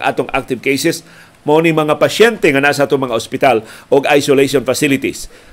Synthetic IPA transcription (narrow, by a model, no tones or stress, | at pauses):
ʔa̰ːt̪oŋʔa̰k̚t̪ɪvkejsɛs | monɪŋmɐŋapɐʃɛnt̪ɛŋɐnas̬aʔaːt̪oŋmɐŋaospɪt̪alʔoɡajsolejʃonfasɪlɪt̪is